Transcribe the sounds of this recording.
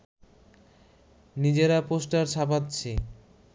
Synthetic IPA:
nid͡ʑeɾaposʈaɾt͡ɕʰapat̪ːt͡ɕʰe

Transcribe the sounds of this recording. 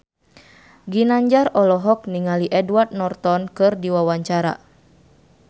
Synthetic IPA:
ɡinaɲd͡ʒarɔlɔɦɔk̚niŋaliʔɛduward̪̚nɔrt̪ɔnkɨrdiwawaɲt͡ʃaɾa̰

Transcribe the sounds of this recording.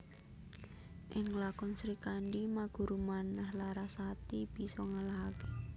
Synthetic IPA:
ʔɪŋlakɔnsɾikaɳɖimaɡ̥ṳɾumanːahlaɾasat̪ib̥i̤sɔŋalaɦake̥

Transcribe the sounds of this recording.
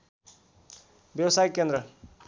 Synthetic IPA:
bjʌwsajkend̪ɾʌ

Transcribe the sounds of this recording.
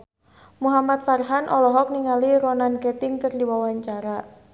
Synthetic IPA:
muɦamat̪̚sarɦanʔɔlɔɦɔk̚niŋaliɾɔnankɛt̪ɪŋkərdiwawaɲt͡ʃaɾa

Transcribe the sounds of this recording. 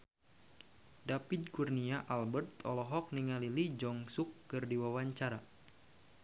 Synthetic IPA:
dapid̪̚kurniaʔalbərt̪ɔ̰lɔɦɔk̚niŋalilid͡ʒɔŋsʊkːɨrdiwawaɲt͡ʃaɾa

